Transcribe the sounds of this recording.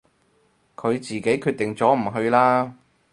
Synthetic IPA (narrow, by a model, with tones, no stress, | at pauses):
kʰɵ˨˧ɥt͡siː˨ke˨˥jkʰyː˧t̚t̪ɪ˨ŋt͡sɔː˨˥m̩˨˩ɦɵ˧ɥlaː˥